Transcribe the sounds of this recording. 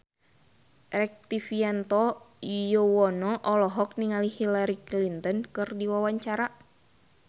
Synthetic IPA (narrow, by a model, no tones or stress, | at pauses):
rɛk̚t̪ifiant̪ɔ | jɔwɔnɔʔɔlɔɦɔk̚niŋalihilaɾiklint̪ɔnkɨrdiwawaɲt͡ʃaɾa